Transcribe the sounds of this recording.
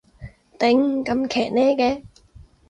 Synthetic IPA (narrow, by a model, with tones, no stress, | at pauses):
t̪ɪ˨˥ŋkɐ˧mkʰɛː˨˩k̚nɛː˥kɛː˧